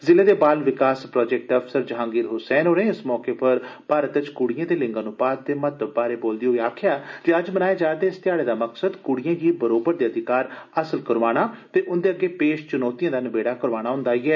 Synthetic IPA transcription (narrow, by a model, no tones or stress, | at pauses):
zɪleːd̪eːbaːlʋɪkaːspɾɔːd͡ʒɛːk̚ʈəpʰsəɾd͡ʒəɦãːŋɡiːɾɦʊsɛːnoːɾẽːɪsmɔːkeːpəɾpaːɾət̪ɪt͡ʃkʊɽɪjãːd̪eːlɪ̃ŋɡãːnũːpaːt̪̚d̪eːmət̪əbbaːɾeːboːld̪iːɦoːiːaːkʰjaːd͡ʒiəd͡ʒmənaːeːd͡ʒaːd̪eːɪst̪jaːɽeːd̪aːməksəd̪kʊɽɪjãːɡiːbəɾoːbəɾd̪eːəd̪ɪkaːɾəsəlkəɾʋaːɽ̃aːt̪eːʔʊnd̪eːəɡːeːpeːʃt͡ʃʊnɔːt̪ijãːd̪aːnəbeːɽaːkəɾʋaːɽ̃aːɦʊ̃nd̪aːiːɛː